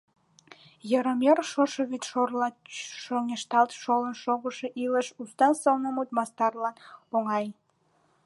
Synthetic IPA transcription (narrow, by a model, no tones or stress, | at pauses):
jəɾəmʲerʃoʃoβit̪ʃorlɑʃonʲeʃt̪ɑlt̪ʃolənʃoɣəʃĕʔilə̆ʃust̪ɑnsɤwnəmut̪mɑst̪ɑrlɑnpoŋɑj